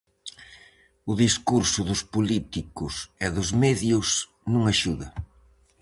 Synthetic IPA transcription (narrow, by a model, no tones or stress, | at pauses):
ʊðiskuɾsʊðʊspulit̪ikʊsɛðʊzmeðjʊs | nũŋaʃuðɐ